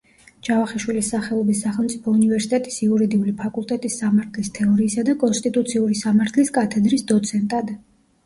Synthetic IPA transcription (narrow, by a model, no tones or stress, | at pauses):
d͡ʒavaχɛʃwilisːaχɛɔbisːaχɛlˠmt̪sʼipʰɔunivɛɾsi̥t̪ʼɛt̪ʼi̥siuɾid̪iulipʰakʼulˠt̪ʼɛt̪ʼisːamaɾt̪ʰlist̪ʰɛɔɾiːsad̪akʼɔnst̪ʼit̪ʼut̪sʰiuɾisamaɾt̪ʰliskʼat̪ʰɛd̪ɾisd̪ɔt̪sʰɛnt̪ʼad̪